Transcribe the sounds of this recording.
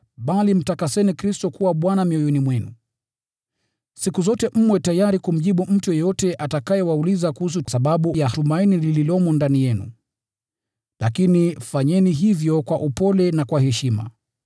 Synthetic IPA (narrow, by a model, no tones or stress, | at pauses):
ɓalim̩takasɛnikɾistɔkuwaɓwanamiɔjɔnimwɛnṵ | sikuzɔtɛʔm̩mwɛtajaɾikum̩ʄiɓum̩tujɔjɔtɛʔatakajɛwaulizakuhus̬usaɓaɓujatumainilililɔmɔndanijɛnṵ | lakinifaɲɛniɦivjɔkwaʔupɔlɛnakwaɦɛʃima̰